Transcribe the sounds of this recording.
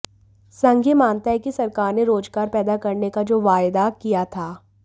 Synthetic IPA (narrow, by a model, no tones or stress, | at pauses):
sɐ̃ŋɡʱemãːnt̪aɦɛkisɐɾkaːɾneɾoːd͡ʒɡaːɾpɛːd̪akɐɾnekad͡ʒoːʋaːjd̪akijat̪ʰaː